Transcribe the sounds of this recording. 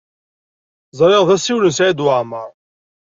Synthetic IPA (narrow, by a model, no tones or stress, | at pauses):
zˤɾˤeʁðˤæsiwlənsʕad̪wʕməɾˤ